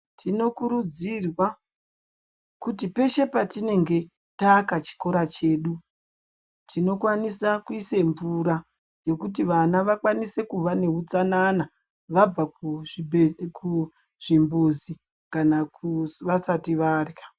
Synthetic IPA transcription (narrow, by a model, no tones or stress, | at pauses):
tʰino̞kuɾud͡zirwa | kutipe̞ʃe̞patine̞ŋɡe̞ | takat͡ʃi̥ko̞ɾat͡ʃe̞ːɗu | tʰino̞kwanisakuise̞ɱvuɾa | jo̞kut̬iʋanaʋakwanise̞kuʋane̞ɦut͡sanana | ʋab͡va | kʰu | ʐ̥imbuzi | kanakuʋasatiʋarikḁ